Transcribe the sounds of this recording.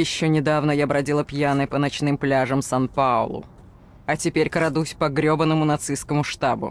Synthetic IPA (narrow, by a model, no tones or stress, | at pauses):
jɪɕːonʲɪd̪avnəjabɾɐdʲilˠəpʲjanɨpənɐt͡ɕnɨmplʲaʐəmsanpaʊ̰lˠʊ̰ | ɐtʲɪpʲeɾʲkəɾɐd̪usʲpɐɡɾʲobənːəmʊnɐt̪sɨskəmʊʂt̪abʊ̰